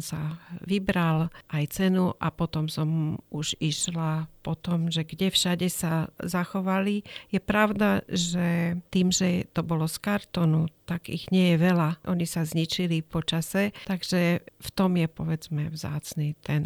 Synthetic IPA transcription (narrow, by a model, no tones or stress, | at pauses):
saʋibɾalʔajt͡sɛnuʔapɔt̪ɔmsɔmuʒiʃlapɔt̪ɔmʒɛɡɟɛfʃaɟɛsazaxɔʋalijɛpɾaʊd̪aʒɛt̪iːmʒɛt̪ɔbɔlɔskaɾt̪ɔnut̪aɡḭɣɲɪɛjɛʋɛlaʔɔɲisazɲit͡ʃilipɔt͡ʃasɛt̪aɡʒ̥ɛft̪ɔmjɛpɔʋɛd͡zmɛʋza̰ːt͡snit̪ɛn